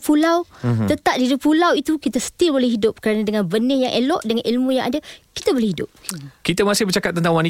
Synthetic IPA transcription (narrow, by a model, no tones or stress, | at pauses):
pulawt̪ət̪ap̚diɾipulawit̪ukit̪asə̥t̪ɪlbolɛhɦidʊp̚kəɾanadəŋãnbənɪ̃hjaŋʔelɔʔdəŋanʔilmũja̰ŋʔa̰daki̥t̪abolɛhɦidʊ̰p̚kit̪amasɪhbərt͡ʃakat̪ːənt̪aŋwani